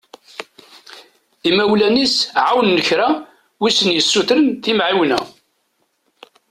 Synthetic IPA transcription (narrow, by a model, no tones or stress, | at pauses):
imæwlænisʕawənːəçɾa | wisənjəsːuθɾənθimʕiwnæ